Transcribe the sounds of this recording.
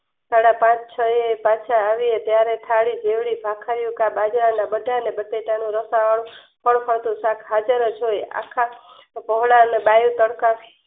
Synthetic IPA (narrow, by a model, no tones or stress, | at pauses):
saɽapãt͡ʃt͡ʃʰəepat͡ʃʰaːʋiet̪jaɾet̪ʰaɽid͡ʒeʋɽibʱakʰaɾjũkabad͡ʒɾanabəʈanebəʈeʈanũɾəsaʋəɽ | pəɳpʰəɾt̪ũsãkʰɦad͡ʒəɾəd͡ʒoja̰kʰa | pɔɦɭaneɓajũt̪əɽka